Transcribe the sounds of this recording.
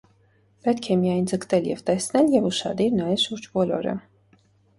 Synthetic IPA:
pɛt̪kʰɛmijɑjnd͡zəkt̪ɛljɛ̰vt̪ɛsnɛljɛvuʃɑ̰d̪iɾnɑjɛvʃuɾd͡ʒbɔlɔ̰ɾə̰

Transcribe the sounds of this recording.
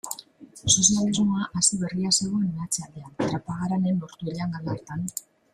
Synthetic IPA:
sos̬jalizmuaʔasiβe̞riase̞ɣ̞o̞e̞nmat͡seald̪e̞ant̪ɾapaɣ̞aɾane̞nlo̞ɾt̪ueɾeaŋɡalaeɾt̪an

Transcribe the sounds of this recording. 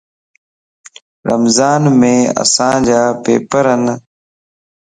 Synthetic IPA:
ɾə̰mzaːnmẽːə̰sãːd͡ʒaːpḛːpəɾən

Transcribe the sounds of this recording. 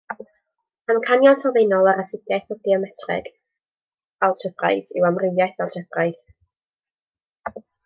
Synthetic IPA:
mamkʰanjɔnθɔvejnɔlˠaɾasɪɡjaθɔɡiɔmɛtʰrɛ̰ɡ̥ | alˠtʰəpʰra̰jθɪ̰wamrɪwjajθalˠtʰɛpʰrajθ

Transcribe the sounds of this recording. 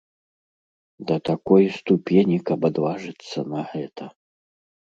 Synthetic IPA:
d̪ɐt̪akɔjst̪upʲenʲikɐbad̪vaʐɨt̪sːɐnɐɣɛt̪ʰɐ

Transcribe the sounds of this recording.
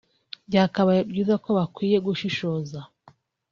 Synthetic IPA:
bɟaːkaβaebɟiːzako̞βakwiːje̞ɡuʃiʃo̞ːza

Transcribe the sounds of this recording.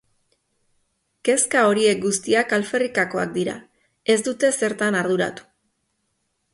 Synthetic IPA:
ke̞skao̞ɾie̞k̚ɡust̪iakalfe̞rikako̞a̰k̚d̪iɾa̰ | e̞zd̪ut̪e̞se̞ɾt̪anaɾðuɾa̰t̪u̥

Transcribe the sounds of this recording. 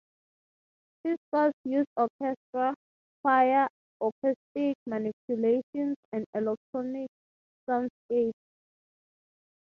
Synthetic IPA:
fiskɔsjusdɔkʰɛstɹa | faja | ɔkʰɛstik̚manipʰjuleʃɔ̃nsɛ̃ndɛlɛk̚tʰɹɔnik̚ | sãnskeps

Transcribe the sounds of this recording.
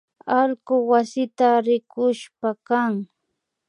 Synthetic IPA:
alɢʊwasɪt̪aɾɪkʊʃpakaŋ

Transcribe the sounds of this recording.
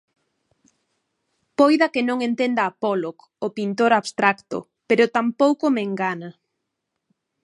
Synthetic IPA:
pojðɐkenõŋent̪end̪aːpɔlok | opint̪oɾaβst̪ɾakt̪ʊ̰ | peɾʊt̪ampowkomeŋɡana

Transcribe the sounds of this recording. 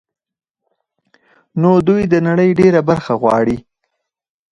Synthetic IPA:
nod̪ujd̪ənaɽəjɖeɾabaɾxaɣwɑ̰ɽi

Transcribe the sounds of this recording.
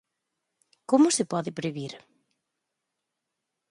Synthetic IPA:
komʊsɪpɔðɪpɾeβiɾ

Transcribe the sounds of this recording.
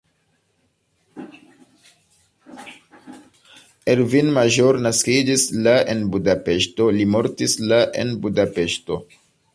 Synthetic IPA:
eɾvinmaʒo̞ɾnaskid͡ʒislaʔe̞nbudape̞ʃto̞limo̞ɾtislaʔe̞̰nbudape̞ʃto̞̰

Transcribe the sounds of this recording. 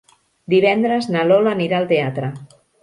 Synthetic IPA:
d̪iβ̞ɛnd̪ɾəznalolaniɾaːlˠt̪eat̪ɾə

